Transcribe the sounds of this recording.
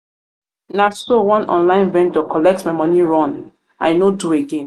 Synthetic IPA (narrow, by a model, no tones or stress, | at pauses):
nasowɔ̃nʔɔ̰̃nlãɪ̃nvɛ̃ndɔkʰɔlɛk̚tmaɪmɔniɹɔ̃n | ã̰jnodueɡẽn